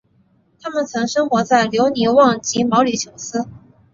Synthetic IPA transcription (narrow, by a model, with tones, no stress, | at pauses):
t̪ʰa˥mə˨nt͡sʰɤ˧˥ŋʂɤ˥ŋxwɔ˧˥t͡sa˥˩ɪljo˧˥ʊni˧˥wɑ˥˩ŋt͡ɕi˧˥mɑ˧˥ʊli˨˩t͡ɕʰjo˨˧˩ʊsɹ̩˥